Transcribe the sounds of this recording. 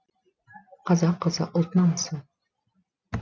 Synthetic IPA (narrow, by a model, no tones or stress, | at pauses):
qʰɑzɑqːɤzəʔolˠt̪nɑmsɨ